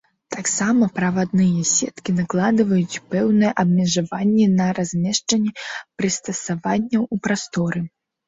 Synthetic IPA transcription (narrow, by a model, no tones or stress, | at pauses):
t̪aksamɐpɾɐvad̪nɨjɐsʲɛt̪kʲinaklˠad̪ɨvɐjut͡sʲpɛwnɨjɛʔɐbmʲɛʐavanʲːɛnɐɾazʲmʲɛʂt͡ʂɐnʲːɛpɾɨst̪ɐsavanʲːɐwupɾast̪ɔɾɨ